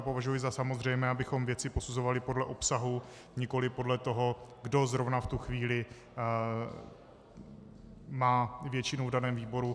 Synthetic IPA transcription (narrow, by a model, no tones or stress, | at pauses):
po̞vaʒujɪzasamozr̝ɛjmɛːabɪxo̞mvjɛt͡sɪposuzo̞valɪpo̞dlɛʔo̞psaɦu | ɲɪko̞lɪpo̞dlɛt̪o̞ɦo̞ɡdo̞zɾo̞vnaft̪uxviːlɪ | maːvjɛt͡ʃɪnuvdanɛːmviːbo̞ɾu